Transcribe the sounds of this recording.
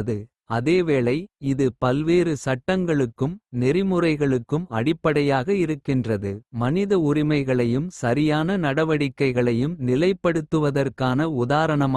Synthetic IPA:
ðɯ | ɐðeːʋeːɭɐɪɪðɯpɐlʋeːɾɯsɐʈːɐŋɡɐɭɯkːɯmnɪɾɪmɯrɐɪɣɐɭɯkːɯmɐ̰ɽɪpːɐɽɐjaːɣɐɪɾɯkːɪndrɐðɯmɐnɪðɐʊɾɪmɐɪɣɐɭɐjɯmsɐɾɪjaːnɐnɐɽɐʋɐɽɪkːɐɪɣɐɭɐjɯmnɪlɐɪpːɐɽɯt̪ːɯʋɐðɐrkaːnɐʊðaːɾɐɳɐmː

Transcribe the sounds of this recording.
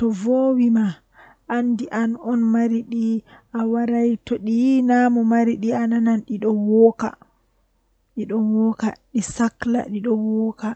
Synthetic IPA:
tɔvowima | ʔandiʔanɔnmaɾiɗiʔawaɾajtɔɗinamɔmaɾiɗianananɗiɗɔwɔːka̰ | ɗiɗɔwɔka̰ɗisakla̰ɗiɗɔwɔka

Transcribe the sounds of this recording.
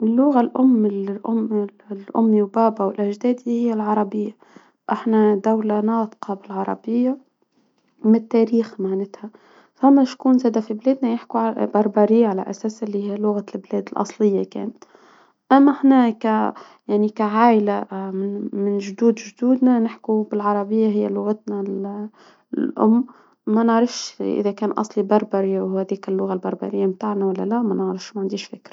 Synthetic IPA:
ɪlːʊɣalʔʊmːɪlʔʊmlʔʊ̰mːiwbaːbawɪlʔaʒd̪æːd̪ihɪjːalʕɑɾˤɑbɪjːa | ʔaħnad̪awlanɑːt̪qɑbɪlʕɑɾˤɑ̰bɪjːa | mɪt̪ːaːɾiːxmaʕnɪt̪ha | famːaʃkuːnzæːd̪afibleːd̪najɪħkuʕabɑɾˤbɑːɾijːaʕala̰ʔasæːsʔɪlːihijːlʊɣalbleːd̪ɪlʔɑ̰sˤlɪjːakḛːnt̪ | ʔamːahnæːka | jaʕnikaʕaːʔlamɪmɪnʒd̪uːd̪ʒd̪uːd̪nanɪħkubɪlʕɑɾˤɑbɪjːaɦɪjːalʊɣat̪nal | ʔʊ̰mː | anɪʕɾɑfʃʔɪ̰ðakæːnʔɑ̰sˤlibɑɾˤbɑɾiwhæːðiːkɪlːʊɣalbɑɾˤbɑ̰ɾɪjːamt̪aːʕnawalːalamanɪʕɾɑfʃmaʕɪnd̪iːʃfɪkɾˤɑ̥

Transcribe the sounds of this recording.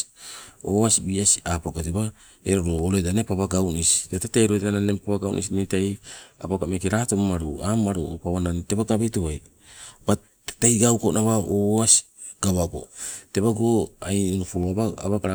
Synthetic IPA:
o̰asibiasiapakoteba | eɾoɾooɾoedanepaβaɡawnisi̥dateteɾoananempaβaɡawnʔḭsinitaja̰pakamekiɾatommaɾuamaɾuopaβanante̞baɡabetoβaj | ba | tajɡawkonʔaβaoasi̥ | ɡ̥aβaɡo̞̰te̞βaɡoajnofuɾoabaa̰βaɡaɾa

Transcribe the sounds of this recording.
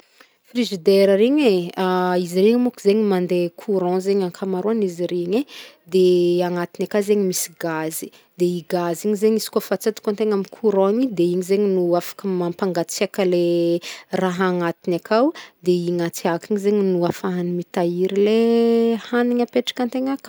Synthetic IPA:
friʒid̪eɾəɾeɲeaiziɾeɲimukizeɲimand̪ekʰuɾɔ̃zeɲaŋkʰamaɾuaniziɾeɲed̪eaŋat̪inakazeɲimisi̥ɡazi̥ | d̪eiɡaziɲizeɲizi̥kofat͡sad̪i̥kant̪eŋamikʰuɾõɲid̪eiɲizeɲinuafḁkəmampaŋɡat͡siakəle | raɦaŋat̪inakawd̪eiŋat͡siakiɲizeɲinuafaɦanimit̪aiɾilehaniɲapeʈ͡ʂḁkãnt̪eɲak

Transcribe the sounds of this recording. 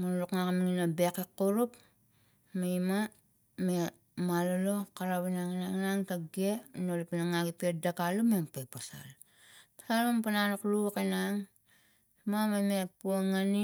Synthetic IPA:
manluknakamiŋinabekekːuɾup | maima | me | malolo̞kaɾaβinaŋinanaŋkaɡenolipanaŋaɡipiet̚dakalumempepasa̰l | pḁsalmampanalukluakenaŋ | imamamepuoŋani

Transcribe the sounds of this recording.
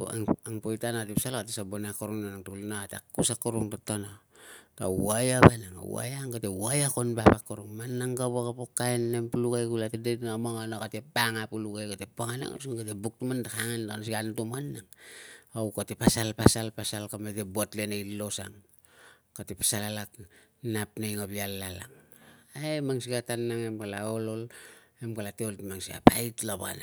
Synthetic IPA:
o̰aŋaŋpojtanaatepsalakatesabonakuɾuŋnanaŋtulnaatakːusakuɾuŋtotanota̰ajabanaŋa̰wa̰jaŋɡatewajakonbapakuɾuŋmanːaŋɡabakapokajnːempuluɡajkulatedenmaŋanokatepaŋapuluɡajkatepaŋana̰ŋo̰siŋɡatebuk̚tumandakaŋanlanosiɡantumanːaŋawkatepasalpasalpasalkametebuatlenailːo̞sa̰ŋ | katepḁsalalak | napnajŋabialːala̰ŋaemaŋsiɡatanːaŋemkalaolo̞lemkalateoltimaŋsia̰pa̰itlaβa̰na

